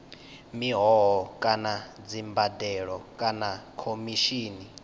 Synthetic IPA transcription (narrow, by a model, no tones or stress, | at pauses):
miɦɔɦɔkʼanad͡zimbadɛɺɔkʼanakʰomiʃiːni